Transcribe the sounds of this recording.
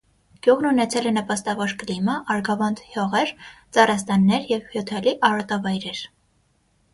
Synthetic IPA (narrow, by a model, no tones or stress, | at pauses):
ɡ̥juʁnunɛt͡sʰɛlɛnəpɑst̪ɑvɔɾkliməʔɑɾɡɑvɑnd̪hjɔʁɛɾt͡sɑɾɑst̪ɑnːɛɾjɛvhjɔt̪ʰɛliʔɑɾɑt̪ɑvɑjɾɛɾ